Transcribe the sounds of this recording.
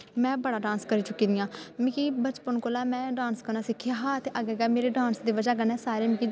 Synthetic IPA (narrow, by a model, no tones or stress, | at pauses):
mɛ̃ːbəɽaːɖãːnskəɾiːt͡ʃʊkiːd̪ijãːmɪkiːbət͡ʃpənkoːlaːmɛ̃ːɖãːnskəɾnaːsɪkʰjaːɦaːt̪ʰːʔaːɡɛːɡaːmeːɾeːɖãːnsd̪iːʋəd͡ʒaːɡənɛːsaːɾeːmɪkiː